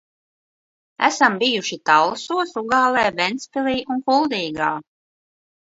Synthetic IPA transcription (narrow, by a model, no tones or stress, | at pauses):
æ̰sambijuʃit̪allˠsuɔsuɡaːlˠɛːvɛnt̪spiliːʔunkulˠd̪iːɡaː